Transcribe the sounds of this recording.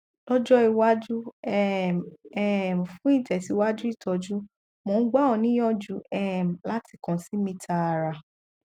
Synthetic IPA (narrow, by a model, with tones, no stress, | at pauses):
lɔ˦d͡ʒɔ˦i˧wa˦d͡ʒu˦ɛ˦ɛ˦˨m˨fũ˦ĩ˦˨tɛ˨si˨˧˦wa˦d͡ʒu˦i˦˨tɔ˨˧d͡ʒu˦ | mõ˨˧˦ɡ͡ba˦ɔ˨nĩ˦jɔ̃˦d͡ʒu˧˦ɛ˦˨m̩˨la˦ti˧˨kɔ̃˨si˨˦mĩ˧tʰa˧˨ɾa˨